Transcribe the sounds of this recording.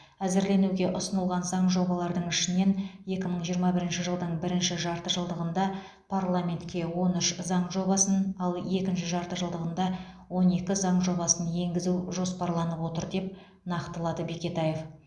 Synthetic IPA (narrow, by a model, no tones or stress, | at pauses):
æzɪɾle̞nuɡʲe̞ʔʊsənəlˠʁɑnzɑɴʒo̞bɑlˠɑɾd̪əɴʏʃɪne̞nje̞kʲɪməɴʒijəɾmɑbɪɾɪnʃɪʒəlˠd̪əɴbɪɾɪnʃɪʒɑɾt̪əʒəlˠd̪əʁənd̪ɑ | pʰarlˠamʲe̞nt̪kʲe̞wo̞nʏʃzɑɴʒo̞bɑsənɑlˠe̞kʲɪnʃɪʒɑɾt̪əʒəlˠd̪əʁənd̪ɑ | wo̞ne̞kʲɪzɑɴʒo̞bɑsənje̞ŋɡʲɪzuʒo̞spɑɾlˠɑnəpwo̞t̪əɾd̪e̞p̚ | nɑqt̪əlˠɑd̪əbe̞kʲe̞t̪aje̞f